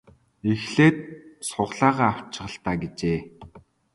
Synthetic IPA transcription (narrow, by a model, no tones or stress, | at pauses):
exɮeːt̪̚sʊʁɮaːʁaːaw̥t͡ɕɪ̆ʁə̆ɬt̪aːɡet͡ɕeː